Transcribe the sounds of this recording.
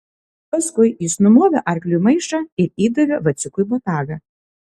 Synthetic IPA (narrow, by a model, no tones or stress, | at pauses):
pɐskʊɪjɪsnʊmoːʋʲo̰ːʔɐɾʲklʲumɐɪʃɑːɪɾiːd̪oʋʲoːʋɐt̪sʲʊkʊjbɔt̪ɑːɡɐ